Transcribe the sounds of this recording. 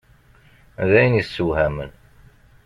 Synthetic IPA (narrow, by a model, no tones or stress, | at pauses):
ðæjniθsːuhæmə̰n